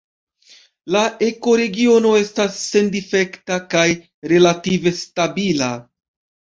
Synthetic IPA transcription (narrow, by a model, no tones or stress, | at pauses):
laʔe̞ko̞ɾe̞ɡio̞no̞e̞stasːe̞ndife̞ktakaj | ɾe̞lative̞stabila